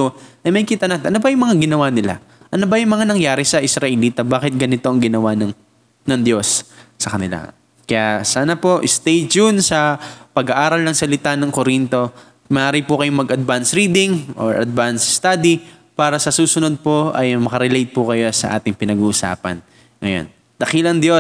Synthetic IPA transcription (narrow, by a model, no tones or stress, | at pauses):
t̪oʔɐjmɐjkit̪ɐnɐt̪ʔɐnobɐjʊŋmɐŋaɡɪnɐwanɪla̰ | ʔɐnobɐjʊŋmɐŋanɐŋjaːɾɪsɐʔɪsɾɐʔɛliːt̪ɐbaːkɪt̪̚ɡɐnɪt̪o̞ʔɐŋɡɪnɐwanɐŋ | nɐŋd̪jo̞sːɐkɐnɪla̰ | kɐjasaːnɐpo̞ʔɪst̪ɛjd͡ʒʊnsɐpɐɡɐʔaːɾɐlnɐŋsɐlɪt̪anɐŋkoɾint̪o̞ | mɐʔaːɾɪpʊkɐjoŋmɐɡɐd̪̚bansɾiːd̪ɪŋʔo̰ɹʔɐ̰d̪̚bansst̪ad̪i | paːɾɐsɐsuːsʊno̞d̪̚poʔɐjmɐkɐɾɛlejt̪̚pʊkɐjo̞sɐ̰ʔa̰ːt̪ɪŋpɪnɐɡuːʔʊsa̰ːpɐ̰n | ŋɐjo̞̰n | d̪̥ɐkilɐŋd̪jo̞